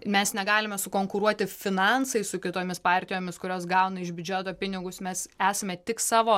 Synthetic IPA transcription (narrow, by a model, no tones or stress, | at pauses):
mʲɛsnʲɛɡɑːlʲɪmʲɛsʊkoːŋkʊɾuɔt̪ʲɪfʲɪnɑnsɐɪsʊkʲɪt̪oːmʲɪspɑːrʲt̪ʲɪjoːmʲɪskʊɾʲoːsɡɐʊnɐɪʒbʲʊd͡ʒʲɛt̪oːpʲɪnʲɪɡʊsmʲɛsæːsɐmʲɛt̪ʲɪksɑːʋoː